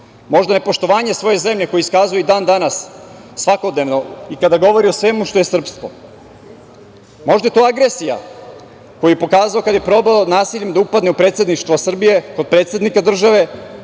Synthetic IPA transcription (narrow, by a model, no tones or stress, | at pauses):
mo̞ʒd̪ane̞po̞ʃt̪o̞ʋaːɲesʋo̞je̞ze̞mʎe̞ko̞jiiskazujed̪aːnd̪anasː | ʋako̞d̪ne̞ʋno̞ikad̪aɡo̞ʋo̞ɾiosʋemuʃt̪o̞jesr̩psk̪ʋo̰ | mo̞ʒd̪aje̞t̪oːaɡɾesija̰ | ko̞jijepo̞kaːzaokad̪ajepɾo̞baonaːsiʎemd̪aupad̪neupɾe̞ːt̪sed̪niʃt̪ʋosr̩bije̞ko̞d̪̚pɾet̪sʲed̪nikad̪r̩ʒaʋe̞